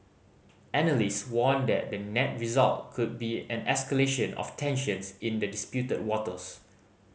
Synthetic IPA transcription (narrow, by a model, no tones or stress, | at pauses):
ɛnəlistswɔ̃ndɛ̰t̚dənɛt̚ɹizalt̚kʰud̚biɛ̃nɛskəleʃə̃nɔ̰ftʰɛ̃nʃə̃nsĩndədispjutəd̚wɔtəs